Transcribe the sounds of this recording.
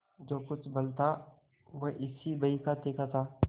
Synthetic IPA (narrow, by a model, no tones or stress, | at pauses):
d͡ʒoːkʊt͡ʃʰbɐlt̪a | ʋoʔɪsibɐikat̪eːkat̪ʰaː